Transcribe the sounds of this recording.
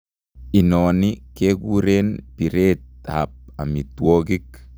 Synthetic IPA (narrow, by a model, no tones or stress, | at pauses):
inɔːnikekuɾeːnpiɾeːt̪̚a̰p̚a̰mit̪wɔkik̚